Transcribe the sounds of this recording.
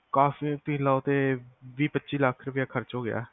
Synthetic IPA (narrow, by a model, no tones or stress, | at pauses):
kaːfiːt̪ʊĩːlaot̪eːʋiːpətːʃiːlakʰɾəpjaːkʰəɾt͡ʃɦoːɡɪja̰ː